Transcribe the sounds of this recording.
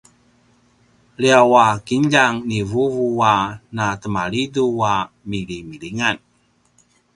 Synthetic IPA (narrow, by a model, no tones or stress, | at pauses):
liawakiɲʎaŋnivuvuanatəmaɭidua | milimiliŋan